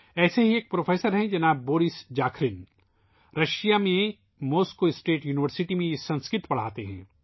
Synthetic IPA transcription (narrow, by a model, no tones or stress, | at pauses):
ɛːseɦieːk̚pɾoːfʰeːsəɾɦɛ̃d͡ʒɐnaːb̚ːoːɾɪsd͡ʒaːkʰɾɪn | ɾɐʃijamẽ | moːskːoɪsʈeːʈjuːnɪʋəɾsɪʈimẽjesɐ̃nskɪt̪pɐɽ̤a̰ːt̪eɦɛ̰̃ː